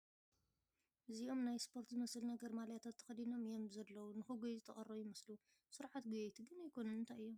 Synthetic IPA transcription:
ʔɨziʔo̞mnajspʰo̞ɾt̪zɨmɐsɨlnɐɡɐɾmaljat̪ʰat̪ʰːɐ̥xɐd̪ino̞mɨjo̞mzɐlːɐwunɨxɨɡojzɨt̪ʰːɐχʼɐrɐjɪmɐslu | sɨɾʕat̪ɡɨjejt̪ʰɨɡɨnajkʰo̞nɐnɨnt̪ʰajɨjːo̞m

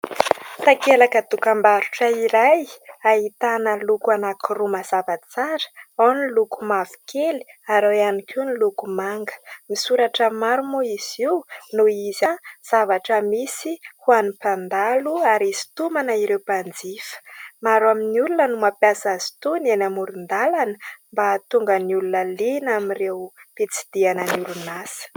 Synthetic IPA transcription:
t̪akelakət̪ukambaɾuʈ͡ʂəiɾajaɦit̪anəlukuanakurumazavat͡saɾə̥anilukumavi̥kʰeli̥aɾowanikʰinilukumaŋɡə̥misuɾaʈ͡ʂəmaɾumoiz̥iwnuizaz̥avaʈ͡ʂəmisihuanipand̪aluaɾizi̥t̪umanaiɾewpand͡zifə̥maɾuaminiulunənumapjasazi̥t̪unenamuɾund̪alanəmbat̪uŋɡəniulunəlinamirewpet͡si̥d̪̥ianəniulunasə̥

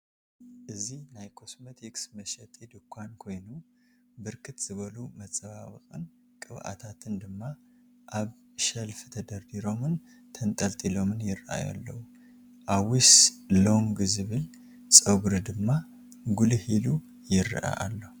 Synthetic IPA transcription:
ʔɨzihnajkʰo̞smət̪ʰɛksməʃɛt̪ʼed̪ɨkʰʷːankʰo̞jnu | bɨɾkʰɨt̪z̥ɨβəlumət͡sʼəβaβɨkʼɨ̰n | kʼɨβʔa̰t̪ʰat̪ʰɨnd̪ɨmːa | ʔaβ | ʃəlft̪ʰəd̪əɾd̪iɾo̞mɨn | t̪ʰənt̪ʼəlt̪ʼilo̞mɨnjɪɾʔa̰ja̰lːə̰hu | ʔawislo̞ŋɡɨzɨβɨl | sʼəɡuɾɨd̪ɨmːa | ɡulhilu | jɪɾːɨ̰ʔa̰ʔa̰lːəhu

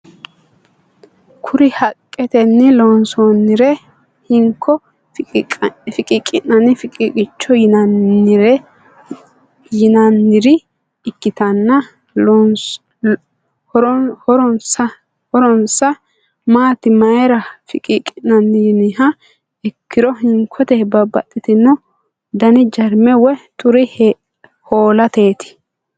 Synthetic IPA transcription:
kʰʊɾɪhɐkʼːɛt̪ɛnːɪloːnsoːnːɪɾɛ | hɪŋkʰːɔ | fɪkʼɪkʼːɪnɐnɪfɪkʼikʼɪt͡ʃːɔjɪnɐnːɪɾɛ | jɪnɐnːɪɾɪ | ɪkːɪt̪ɐnːɐ | ɾhɔɾɔnsɐ | hɔɾɔnsɐ | maːt̪ɪmɐjɛɾɐfɪ̰kʼɪkʼɪnːɐnːɪjnɪhɐ | ɛkʰːɪɾɔɦɪŋkʰɔt̪ɛbɐbɐ̰tʼːɪt̪ɪnːʊ | d̪ɐnɪd͡ʒɐɾmɛwɛt̪ʊɾɪh | hoːlɐt̪e̞ːt̪ɪ̥

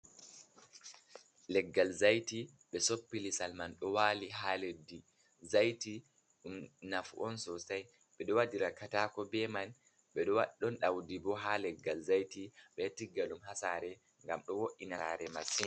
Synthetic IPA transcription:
lɛɡːalzajti | ɓɛsopːilisalmanɗɔwaːliɦaledi | zajti | ɗumnafuʔɔnsɔsaj | ɓɛɗɔwadiɾakataːkɔbɛman | ɓɛɗɔwaɗːɔnɗawdibɔɦalɛɡːalzajtiɓɛtiɡːalumɦasaɾɛ | ŋɡamɗɔwoʔːinaɾɛmasi

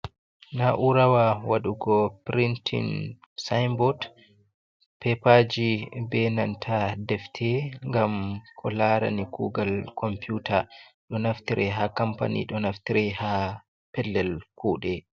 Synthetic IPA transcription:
naʔuɾawawaɗuɡɔpɾintʰḭn | sajmbɔd | pɛpaːd͡ʒibɛnantʰadɛftʰɛŋɡamkʰɔlaɾa̰nikuːɡalkʰɔmpjuːtʰaɗɔnaftiɾʔɛɦakampa̰nḭɗɔnaftiɾɛha | pɛlːɛlkuːɗɛ

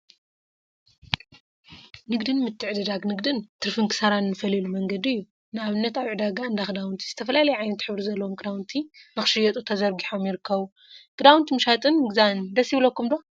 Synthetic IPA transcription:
nɨɡd̪ɨnmɨt̪ʰːɨʕd̪ɨd̪aɡnɨɡd̪ɨnt̪ʰɨɾfɨŋkʰɨ̥sɐɾanːɨfɐlilumɐŋɡɐd̪ɨjːu | nɨaβɨnːɐt̪aβʕɨd̪aɡaɨnd̪axɨd̪awunt̪ʰiz̥ɨt̪ʰɐfɐlalɐjʕajnɐt̪ħɨβɾizɐlːɐwomkʼd̪awnt̪ʰinɨxɨ̥ʃɨjɛt̪ʼut̪ʰɐzɐɾɡiħo̞mjɪɾɨkʰːɐβu | kʼɨd̪awnt̪ʰimɨʃat̪ʼɨnːɨɡzand̪ɐsjiβlokːumd̪o̞

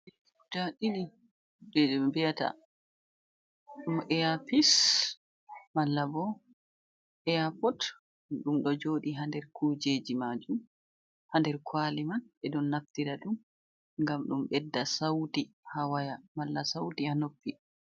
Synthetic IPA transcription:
ɛ | udaɗini | ɗɛɗɛbɛjata̰ | ɗumʔɛjapis | malːabɔ | ʔɛjapɔt | ɗumɗɔd͡ʒoːɗiɦandɛɾkuːd͡ʒeːd͡ʒimad͡ʒum | handɛɾkʰwaːlimanɛɗɔnːaftiɾaɗum | ŋɡamɗumɓɛdːasawti | hawajamalːasawtihanopːi

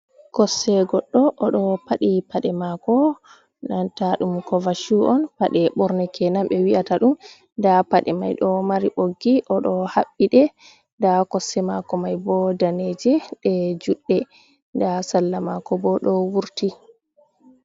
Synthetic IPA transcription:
kɔsːɛɡɔɗːɔʔɔɗɔpaɗipaɗɛmakɔ | nantaɗumkɔvaʃuʔɔnpaɗɛɓɔɾnɛkɛnamɓɛwiʔataɗum | dapaɗɛmajɗɔmaɾiʔoɡːiʔɔɗɔhaɓːiɗɛ | ndakɔsːɛmakɔmajbɔdaned͡ʒɛɗɛd͡ʒuɗːɛ | dasalːamakɔbɔɗɔwuɾti

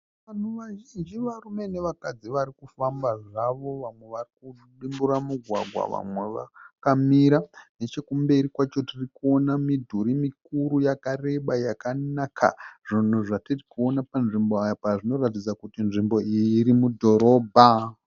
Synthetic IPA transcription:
ʋan̤uʋaʒind͡ʒiʋarume̞neʋakad͡ziʋaɾikufambaʐaʋo̞ʋamwe̞ʋariku | ɗimbuɾamuɡʱwa̰ɡʱwa̰ʋa̰mwe̞ʋa̰kamiɾane̞t͡ʃe̞kumbe̞ɾikwat͡ʃotirikuo̞namidʱuɾimikuɾujakare̞ɓajakanakʰa̰ʐ̥on̤uʐatirikuo̞napanʐimboajpaʐino̞ratid͡zakutinʐimbo̞iːɾimudʱo̞ɾo̞ːbʱa

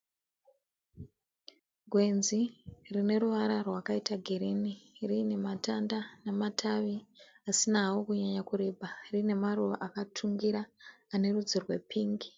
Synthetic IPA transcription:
ɡʱwe̞nzirine̞ɾuʋaɾarwakaitaɡʱiɾiːnirine̞matandanematʰaʋi | asinawokuɲaɲakuɾebʱarine̞maruʋaʔakatʰuŋɡiɾaːne̞rud͡zirwe̞̰pʰiːŋɡi

